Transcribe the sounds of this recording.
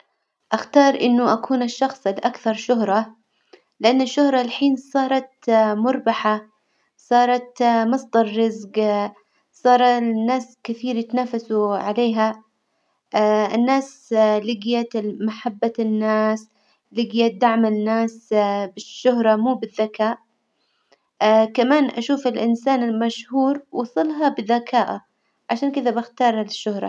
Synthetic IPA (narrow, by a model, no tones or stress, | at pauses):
ʔaxt̪ɑːɾˤʔɪnːʊʔakʰuːnaʃːɑxsˤɪlʔakθɑɾˤʃʊɦɾˤɑ | lɪʔanːaʃːʊhɾˤɑlħiːnsˤɑːɾˤɑt̪mʊɾˤbaħa | sˤɑːɾˤɑt̪mɑsˤd̪ɑɾˤːɪzɡ | sˤɑːɾˤɑnːaːskɪθiːɾjɪt̪naːfasuʕaleːɦa | ɪnːaːslɪɡjamaħabːanːaːs | lɪɡjad̪aʕmɪnːaːsbɪʃːʊɦɾˤɑmuːbɪðːakaːʔ | kamaːnʔaʃuːfɪlʔɪnsaːnɪlmaʃhuːɾwɑsˤɨlɦɑbɪðakʰaːʔa | ʕaʃaːnkɪðabɪxt̪ɑːɾˤlɪʃːʊhɾˤɑ̰